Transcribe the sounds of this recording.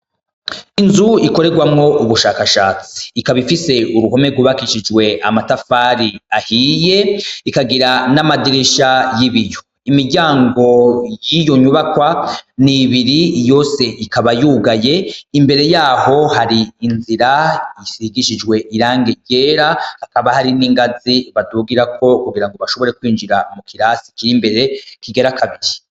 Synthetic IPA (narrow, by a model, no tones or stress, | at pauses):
inzuiko̞ɾe̞ɡwamŋo̞ʔuβuʃaːkaʃaːt͡si̥ːkaβifise̞uɾuɦo̞me̞ɡuβakiʃid͡ʒwe̞amatafaɾiahije̞ikaɡiɾanamadiɾiʃajiβijo̞ | imiɟaːŋɡo̞jijo̞ɲuβakwaniβiɾijo̞ːse̞ʔikaβajuɡaje̞imbe̞ɾe̞jaːho̞haɾiːnziɾaisiɡiʃid͡ʒɡwe̞ʔiɾaːŋɡeɟe̞ːɾahakaβahaɾiniŋɡaziβaduɡiɾakʰo̞kuɡiɾaŋɡoβaʃo̞βo̞ɾe̞kwiːnd͡ʒiɾamukʰiɾasi̥kiɾimbe̞ɾe̞kiɡeɾakʰaβiɾi